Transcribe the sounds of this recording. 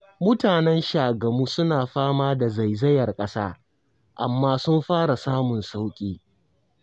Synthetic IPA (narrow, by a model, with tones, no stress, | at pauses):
mʊ˦taː˨nɛ˦nʃaː˨ɡɐ˨muː˦sʊ˦naː˨ɸaː˦maː˦da˨za˨jzɐ˦jɐ˨rkʼɐ˦sa̰ː˦ | ʔa̰˨mːaː˦sʊ˦mɸaː˦ɽa˨saː˦mʊ˨nsa˦wkʲʼiː˦